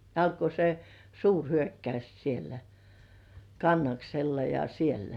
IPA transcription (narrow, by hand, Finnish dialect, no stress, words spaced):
ɑlko se suːrhyøkːɑys sielæ kɑnːɑkselːɑ jɑ sielːæ